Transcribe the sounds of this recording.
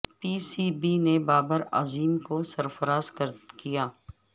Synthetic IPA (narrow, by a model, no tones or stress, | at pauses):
piːsiːbinebaːbəɾa̰ːziːmkosɐɾfəɾaːzkəɾkijaː